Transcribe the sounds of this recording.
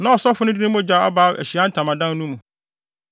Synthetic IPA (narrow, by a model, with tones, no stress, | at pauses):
nã˦ɔ˨sɔ˦fʊ˦nʊ̃˦di˦nĩ˦m˦ɔ̃˦d͡ʑa˨˦a̰˦baː˨˦ʔæ̰˨ɕi˨a˦n̩˦tʰã˨mã˨dã˦n˦nũ˦mũ˨